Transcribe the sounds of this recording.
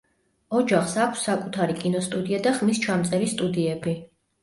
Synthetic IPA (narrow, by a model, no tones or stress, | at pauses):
ɔd͡ʒaχsakʷʰsːakʼut̪ʰaɾikʼinɔst̪ʼud̪iad̪aχmist͡ʃʰamt̪sʼɛɾist̪ʼud̪iɛbi